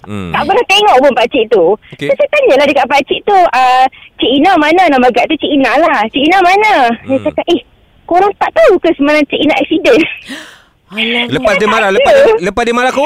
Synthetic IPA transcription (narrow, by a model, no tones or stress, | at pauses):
t̪aʔpənəht̪eŋɔʔpʊnpat͡ʃiʔt̪ukosat̪aɲəlahdəkaʔ̚pat͡ʃiʔt̪uət͡ʃiʔinamananaməɡaʔt̪ut͡ʃiʔinalaht͡ʃiʔinamanəjat͡ʃakaʔ̪ʔeh | koɾaŋt̪aʔt̪aukəsəmalat͡ʃiʔinaʔɛʔk̚sidən | ləpasdimaɾalələpasdimaɾako